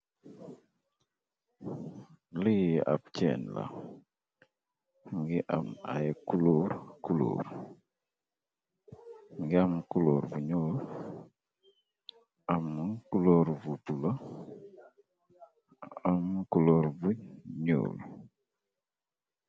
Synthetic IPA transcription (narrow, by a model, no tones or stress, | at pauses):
liʔa̰pt͡ʃɛ̰nla̰ | ŋɡiʔama̰jkuloɾkulo̰ɾ | ŋɡamkuloɾvuɲol | amːukuloɾvupula | amkuloɾvuɲo̰l